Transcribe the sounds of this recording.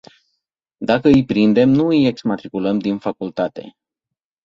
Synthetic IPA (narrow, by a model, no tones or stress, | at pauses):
d̪akəɨjpɾind̪e̞mnuɨje̞ksmat̪ɾikuləmd̪infakult̪at̪e̞̰